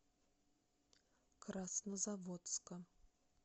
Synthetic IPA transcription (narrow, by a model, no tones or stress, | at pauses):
kʰrasnəzavot̪skə